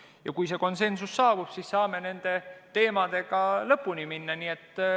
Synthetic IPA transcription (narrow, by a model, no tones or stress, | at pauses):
jɑkujse̞ːko̞nse̞nsusːɑːbub̥sissɑːme̞ne̞nd̪̥e̞t̪e̞ːmɑd̪̥e̞ɡ̥ɑlɤpːˑuniminːɑniːe̞t̪ː